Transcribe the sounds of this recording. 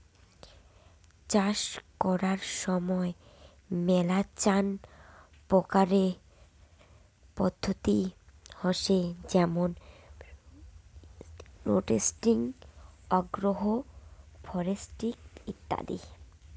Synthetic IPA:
t͡ɕaʃkɔɾaɾʃɔmɔe | mɛlat͡ɕan | pɔkaɾe | pɔd̪ʱːot̪ihɔʃed͡ʑɛmon | ɾo̰ʈesʈiŋɔɡɾoɦofʰɔɾesʈikit̪ːa̰d̪ḭ

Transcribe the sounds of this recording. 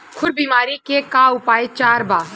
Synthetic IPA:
kʰʊɾbiːmaːɾikekaːʊpaːet͡ʃaːɾbaː

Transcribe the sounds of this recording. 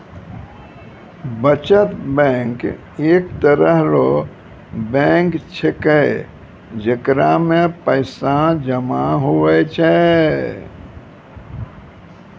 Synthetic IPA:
bət͡ʃət̪bɛ̃ŋk | ekt̪əɾəɦɾo | bɛ̃ŋkt͡ʃʰekəj | d͡ʒəkɾamẽpəɪsad͡ʒəmaɦuʋɛt͡ʃʰɛ

